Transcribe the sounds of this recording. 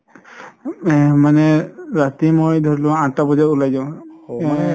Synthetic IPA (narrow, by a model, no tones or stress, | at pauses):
manɛɹatimojdʱɔɹilʊwaãtabɔzaulajzaʊ̃